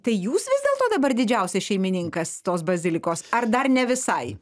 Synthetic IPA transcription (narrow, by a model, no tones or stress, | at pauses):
t̪ɐɪjuːsʋʲɪzd̪ʲeːlˠt̪oːd̪ɐbɐɾd̪ʲɪd͡ʒʲɛʊsʲɛʃʲɛɪmʲɪnʲɪŋkɐst̪oːsbɐzʲɪlʲɪkoːsɐɾd̪ɐrnʲɛʋʲɪsɐɪ